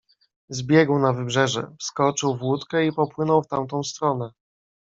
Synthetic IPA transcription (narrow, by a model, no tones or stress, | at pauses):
zbʲjɛɡwnavɘbʐɛʐɛ̰fskɔt͡ʂɘwvwut̪kɛipɔpwɘnɔwft̪amt̪ɔ̃w̃st̪ɾɔnɛ